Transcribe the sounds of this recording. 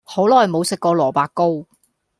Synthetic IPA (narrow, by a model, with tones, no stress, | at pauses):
ho˨˥wlɔː˨˩jmo˨˧wsɪ˨kːɔː˧lɔː˨˩paː˧kːo˥w